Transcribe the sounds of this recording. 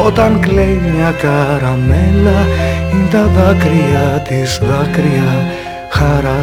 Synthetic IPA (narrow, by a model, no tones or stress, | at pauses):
ot̪ɐŋkleɲiɲɐkɐɾɐmelɐint̪ɐðɐkɾiɐt̪isðɐkɾiɐ | xɐɾɐ